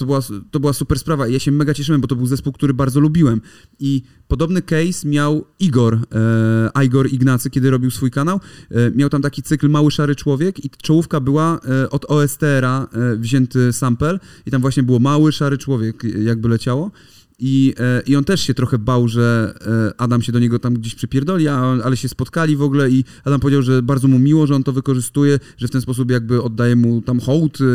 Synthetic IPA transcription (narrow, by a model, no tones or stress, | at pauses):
t̪ɔbɘwat̪ɔbɘwasupɛɾspɾavaijaɕɛmɛɡat͡ɕɛʂɘwɛmbɔt̪ɔbɘwzɛspuwkt̪uɾɘbaɾd̪zɔlubʲiwɛm | i | pɔd̪ɔbnɘkɛjsmʲjawiɡɔɾ | ʔajɡɔɾiɡnat̪sɘkʲɛd̪ɘɾɔbʲiwsfujkanawmʲjawt̪amt̪akʲit̪sɘklmawɘʂaɾɘt͡ʂwɔvʲjɛkit͡ʂɔwufkabɘwaʔɔd̪ɔɛst̪ɛɛɾavʑɛnt̪ɘsampɛlit̪amvwaɕɲɛbɘwɔmawɘʂaɾɘt͡ʂwɔvʲjɛkjaɡ̚bɘlɛt͡ɕawɔ | iʔiɔnt̪ɛʂɕɛt̪ɾɔxɛbawʐɛʔad̪amɕɛd̪ɔɲɛɡɔt̪amɡd͡ʑeɕpʂɨpʲjɛɾd̪ɔlʲiaalɛɕɛspɔt̪kalʲivɔɡulɛi | ad̪ampɔvʲed͡ʑawʐɛbaɾd̪zɔmumʲiwɔʐɛɔnt̪ɔvɘkɔʐɘst̪ujɛ | ʐɛft̪ɛnspɔs̬up̬jaɡ̚bɘɔd̪ːajɛmut̪amxɔwt̪